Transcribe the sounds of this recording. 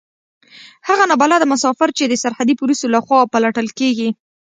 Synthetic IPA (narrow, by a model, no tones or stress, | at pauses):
haɣanabalad̪əmʊsɑfɪɾt͡ʃed̪əsaɾhad̪ipulusolaxwɑpəlaʈəlkeɡi